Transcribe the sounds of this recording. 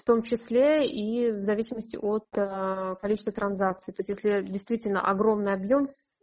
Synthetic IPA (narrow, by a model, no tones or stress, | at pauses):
ft̪o̞mt͡ɕɪslʲeivzɐvʲisʲɪməsʲtʲɪ̰ʔo̞t̪kɐlʲit͡ɕɪst̪vət̪ɾɐnzak̚t̪sɨjt̪o̞jsʲtʲjesʲlʲɪdʲɪjst̪vʲitʲɪlʲnə̰ʔɐɡɾo̞mnɨjɐbjo̞m